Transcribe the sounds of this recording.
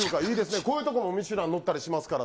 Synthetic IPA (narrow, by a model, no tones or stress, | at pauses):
ɯkaiːd̪e̞sɨne̞ko̞ːjɯ̟ːt̪okomomʲiɕɨɾãnːo̞t̪ːaɾʲiɕimasɨ̥kaɾa